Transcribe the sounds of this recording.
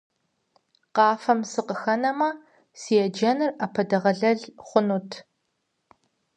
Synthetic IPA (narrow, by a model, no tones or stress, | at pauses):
qɑːfɐmsɨqəxɐnɐmɐ | sijɛd͡ʒɐnɨrɐpʰɐdɐʁɐɮɐɮχʷʊnutʰ